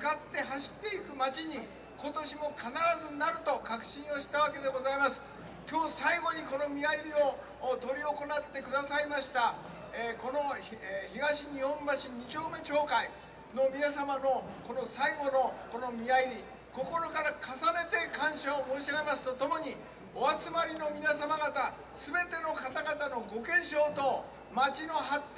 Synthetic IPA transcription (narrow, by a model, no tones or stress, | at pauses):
kat̪ːe̞ɦaɕi̥t̪ːe̞ikɯ̟mat͡ɕiɲ̟i | ko̞t̪o̞ɕimo̞kʰanaɾazɨnaɾɯ̟t̪o̞kakɯ̟̥ɕĩɰ̃o̞ɕi̥t̪aβake̞d̪e̞ɡo̞zaimasɨ̥ | kʲo̞ːsaiɡo̞ɲ̟iko̞no̞mʲiaiɾʲio̞ | t̪o̞ɾʲio̞ko̞nat̪ːe̞kɯ̟d̪asaimaɕi̥t̪a | eko̞no̞eçiɡaɕiɲ̟ihõ̞mbaɕiɲ̟it͡ɕo̞ːme̞t͡ɕo̞ːkai | no̞mʲinasamano̞ko̞no̞saiɡo̞noko̞no̞mʲiaiɾʲi | ko̞ko̞ɾo̞kaɾakasane̞t̪e̞kãɰ̃ɕaomo̞ːɕaɡemasɨ̥t̪o̞t̪o̞mo̞ɲ̟i | oat͡sɨmaɾʲino̞mʲinas̬amaɡat̪a | sɨbe̞t̪e̞no̞kat̪aɡat̪ano̞ɡo̞kẽ̞ɰ̃ɕo̞ːt̪o̞ | mat͡ɕino̞ɦat̪ː